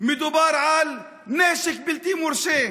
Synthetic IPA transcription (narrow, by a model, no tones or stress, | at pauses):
mɪd̪ubaːɾˤʕaːl | neːʃɪkbɪlt̪iːmʊɾʃeː